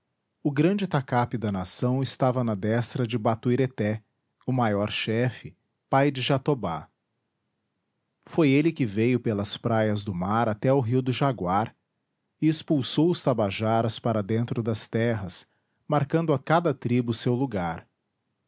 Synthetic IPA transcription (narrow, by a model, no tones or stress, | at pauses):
ʊɡɾɐ̃d͡ʒɪt̪akapɪd̪ɐnasɐ̃w̃ɪst̪avɐnɐd̪ɛst̪ɾɐd͡ʒɪbat̪uiɾet̪ɛ | ʊmajɔɾʃɛfɪ | pajd͡ʒɪʒat̪oba̰ | fojelɪkɪvejʊpelɐspɾajɐzd̪ʊmaɾat̪ɛʊɦiwd̪ʊʒaɡwaɾ | ɪespuwsowʊst̪abaʒaɾɐspaɾɐd̪ẽnt̪ɾʊd̪ɐst̪ɛɦɐs | maɾkɐ̃nd̪ʊakad̪ɐt̪ɾibʊsewluɡaɾ